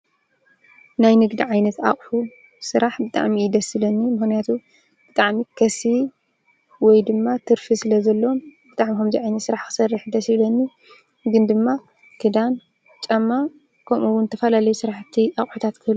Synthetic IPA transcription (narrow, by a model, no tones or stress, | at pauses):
najnɨɡd̪iʕajnɐt̪a̰χʼħu | sɨɾaħbɨt̪ʼa̰ʕmiːd̪ɐsilɐnːimɨxnijat̪ʰu | b̥ɨt̪ʼaʕmikʰɐsi | wɔjd̪ɨmːat̪ʰɨɾfisɨlɐzɐlːowombɨt̪ʼaʕmikomzɐjʕajnɐt̪sɨɾaħkɨ̥sɐrːɨħd̪ɐsilɐnːi | ɡɨnd̪ɨmːa | kʰɨd̪an | t͡ʃʼɐmːa | kʰɐmʔuwunzɨt̪ʰːɐfɐlalɐjusɨɾaħt̪ʰːiaχʼħut̪ʰat̪kʰɨβlu